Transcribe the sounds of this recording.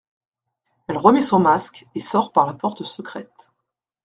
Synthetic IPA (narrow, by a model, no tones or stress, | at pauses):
ɛlʁəmɛsɔ̃maskesɔʁpaʁlapɔʁt̪əsəkχɛt̪